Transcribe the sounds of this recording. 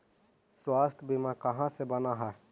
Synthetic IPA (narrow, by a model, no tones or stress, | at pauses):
swaːst̪ʰbimãkəɦãsebənaːɦɛː